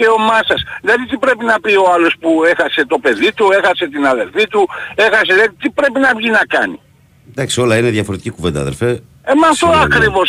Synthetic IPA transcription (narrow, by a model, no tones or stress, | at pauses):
eo̞mɐsɐslɐðit̪̬ipɾe̞pinɐpio̞ɐlo̞spue̞xɐse̞t̪o̞pe̞ðit̪ue̞xɐse̞t̪inɐðe̞lfit̪ue̞xɐs̬eðɐit̪ipɾe̞pinɐvʝinɐkɐ̰nḭ | d̪ɐksio̞lɐineðjɐfoɾet̪i̥cikuvend̪ɐ̰ðelfe | emɐft̪o̞ɐkɾivo̞s